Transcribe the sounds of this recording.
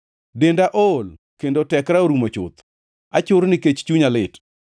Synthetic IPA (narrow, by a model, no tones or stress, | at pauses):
dendaʔol | kendotɛkɾaoɾumat͡ʃʊ̰t̪ | at͡ʃʊɾnɪket͡ʃt͡ʃuɲalɪt